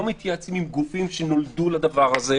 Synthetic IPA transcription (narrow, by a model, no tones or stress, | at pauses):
omit̪jat͡simimɡufimʃeno̞ld̪ulad̪avaʁaze